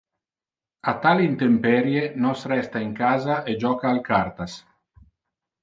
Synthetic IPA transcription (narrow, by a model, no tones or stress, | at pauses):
at̪alint̪empɛɾjenɔsɾɛst̪aiŋkaːzaʔed͡ʒɔːkaːlkaɾt̪as